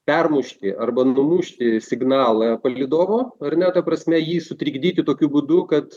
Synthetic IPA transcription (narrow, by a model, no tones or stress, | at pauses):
pʲɛrmʊʃʲt̪ʲɪʔɐrbɐnʊmuʃʲt̪ʲɪsʲɪɡnɑːlˠɑpɐlʲɪd̪oːʋoːɐrnʲɛt̪ɐpɾɐsʲmʲɛjiːsʊt̪ʲɾʲiːɡd̪ʲiːt̪ʲɪt̪oːkʲuːbʊd̪ʊkɐt̪